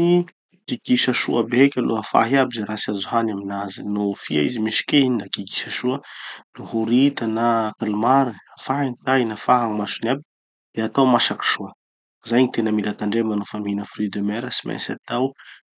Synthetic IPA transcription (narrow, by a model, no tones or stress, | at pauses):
i | kiɡiʃaʃuəbeekʲalʔo̰ɦafa̰ɦiabizaɾasazuɦanaminazinofiaizimiʃi̥keiɲinakiɡi̥ʃaʃuənuhuɾit̪anakalumaɾiafaɦinit̪ainafaɦaŋmaʃunabi̥ | d̪̥eat̪awmaʃaki̥ʃuə | zajɲit̪enəmilat̪aɳɖ͡ʐemanofaminəfrid̪emɛɾəsima̰sa̰t̪aw